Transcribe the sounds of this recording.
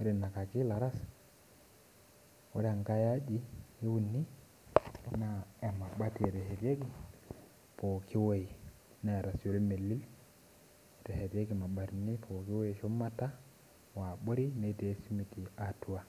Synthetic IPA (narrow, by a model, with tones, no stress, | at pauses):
e˦ɾe˨na˨ka˨ki˦la˨ɾa˦s | wo˦ɾe˦a˨ŋka˦ja˦d͡ʒi˦e˦wu˨nːi˦ | na˨e˨ma˨ɓa˦te˨te˨ɦe˨ɾe˦ɡi˦ | po˨ki˦wo˦ji˨ | na˦˨ɾa˨so˨li˦me˨lːi˦l | e˨te˨he˨ɾje˦ɡi˨ma˨ɓa˨ti˨ni˦pʰo˨ki˦wo˦˨ʃo˦ma˦ta˦ | wa˨ɓo˦ɾi˦ne˦˨teː˨˦si˦mi˨ti˨a˨tu˨wa˦